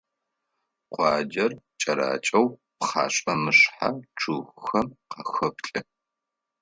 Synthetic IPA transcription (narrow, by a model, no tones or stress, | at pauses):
qʷɑːd͡ʒɐr | t͡ʃʼɐɾa̰ːt͡ʃʼɐwpχa̰ːɕʼɐmɨɕħaʈ͡ʂʰuxʷxɐmqɐxɐpɬʼɨ